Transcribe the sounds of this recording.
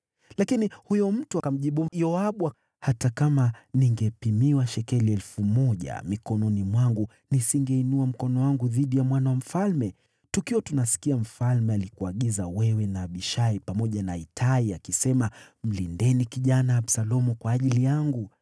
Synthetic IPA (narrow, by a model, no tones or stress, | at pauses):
lakinihujɔm̩tuakam̩ʄiɓujɔaɓua | hatakamaniŋɡɛpimiwaʃɛkɛliɛlfumɔʄa̰mikɔnɔnimwaŋɡu | nisiŋɡɛinuam̩kɔnɔwaŋɡuðiɗijamwanawam̩falmɛ | tukiɔtunasi̥kiam̩falmɛalikuaɠizawɛwɛnaːɓiʃaipamɔʄanaitʰaiakisɛmam̩lindɛnikiʄanaːɓsalɔmukwaːʄilijaŋɡu